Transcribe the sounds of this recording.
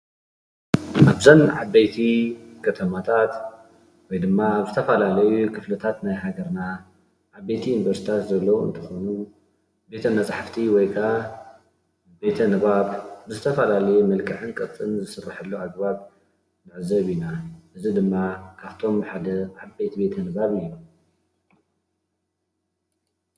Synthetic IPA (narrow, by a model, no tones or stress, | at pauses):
ʔaβzɐnʕabːejt̪ʰikʰɐt̪ʰɐmat̪ʰat̪ | wɔjd̪ɨmːabzɨt̪ʰɐfɐlalɐjukʰɨflɨt̪ʰat̪najɦaɡɐɾna | ʕaβːet̪ʰiunivɐɾsi̥t̪ʰat̪zɐlːɐwuɨ̰nt̪ʰɨxonu | be̞t̪ʰɐmɐt͡sʼaħaft̪ʰiwɔjkʰa | be̞t̪ʰɐnɨβaβbɨzɨt̪ʰɐfɐlalɐjumɐlkʼɨʕɨnkʼɨt͡sʼːɨnzɨsɨrːaħɨlːuaɡ̚baβ | nɨʕzɐβinaʔɨzid̪ɨmːakʰaβt̪ʰo̞mħad̪ɐʕaβbe̞t̪ʰibe̞t̪ʰɐnɨβaβɨjːu